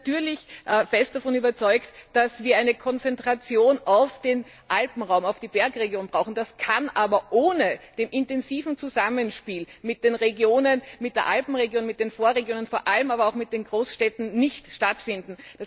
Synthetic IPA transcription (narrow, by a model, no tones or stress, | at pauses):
tyːɐlɪçʔfɛst̚d̥afɔnyːbɐt͡sɔʏktd̥asv̥iːɐʔaɪnəkʰɔnt͡sɛntʁ̥at͡sjoːnaʊfd̥eːn | ʔalpm̩ʁaʊmaʊfd̥iːbɛɐkʁeɡjoːnbʁaʊxn̩d̥askʰanʔaːbɐʔoːnəd̥eːmʔɪntɛnziːvn̩t͡suzamənʃpiːlmɪt̚d̥eːnʁeɡjoːnənmɪt̚d̥eːɐʔalpm̩ʁeɡjoːnmɪt̚d̥eːnfoːɐʁeɡjoːnənfoːɐʔaləmaːbɐaʊxmɪt̚d̥eːnɡʁoːsʃtɛtn̩nɪçtʃtatfɪndn̩d̥as